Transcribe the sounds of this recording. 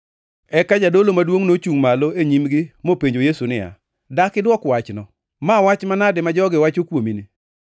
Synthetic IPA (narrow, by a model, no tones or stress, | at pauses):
ɛkad͡ʒadolomadwoŋnot͡ʃuŋmaloeɲimɡɪmopeɲd͡ʒojesunɪja̰ | dakɪdwɔkwat͡ʃnɔ | mawat͡ʃmanadɪmad͡ʒɔɡɪwat͡ʃokwomini